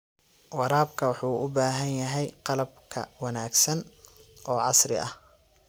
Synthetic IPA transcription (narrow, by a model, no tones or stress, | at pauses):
wɑɾaːbkʰɐwɑħuːʔʊbaːɦɐnjɐɦɛjqɑlɐb̚kʰɐ̰wɑnaːɡsɐnʔɔːʕɑsrɪ̰ɐ̰h